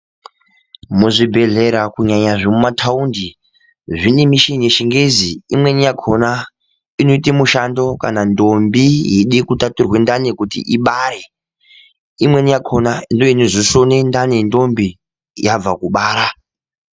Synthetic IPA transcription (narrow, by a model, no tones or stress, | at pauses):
muʐibʱe̞ɮe̞ɾakuɲaɲaʐemumatʰaundi | ʐinemiʃinjeʃiŋɡeziimwe̞nijakʰona | ino̞itemuʃando̞ka̰nando̞mbijeɗikutaturwe̞ndanekutḭʔiɓaːɾe | imwe̞nijakʰonandoinoʐisonendanindo̞mbi | jab͡vakuɓaːɾa